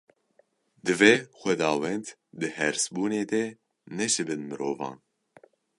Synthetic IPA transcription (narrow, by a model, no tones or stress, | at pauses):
d̪ɨvexʷɛd̪ɑːwɛnt̪ | d̪ɨhɛɾsbuːneːd̪ɛ | nɛʃɨbɨnmɨɾoːvɑ̰̃ːn